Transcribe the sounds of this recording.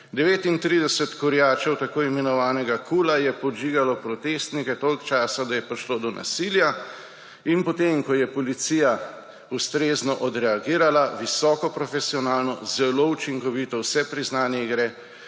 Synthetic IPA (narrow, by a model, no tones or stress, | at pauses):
d̪ɛʋeːt̪int̪ɾid̪ɛsɛt̪kɔɾjaːt͡ʃɛwt̪akoːimɛnɔʋaːnɛɡakulajɛpɔd͡ʒiːɡalɔpɾɔt̪eːst̪nikɛt̪oːlkt͡ʃaːsad̪ajɛpɾiʃlod̪ɔnʔa̰silja | inpɔt̪emkɔjɛpɔlit̪sija | ust̪ɾeːznɔʔɔd̪ɾɛaɡiːɾalaʋisɔːkɔpɾɔfɛsiɔnaːlnɔzɛlout͡ʃiŋkɔʋit̪ɔwsɛpɾiznaːnjɛiɡɾɛ